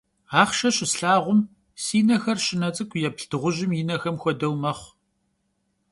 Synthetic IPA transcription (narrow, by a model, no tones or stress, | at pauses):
aːχʃɐɕʼɪsɬaːʁʷʊm | siːnɐxɐrʃɪnɐt͡sʼɨkʷʼʰjɛpɬtɨʁʷʊʑɪmjɪnɐxɐmxʷɔdɐwmɐχʷ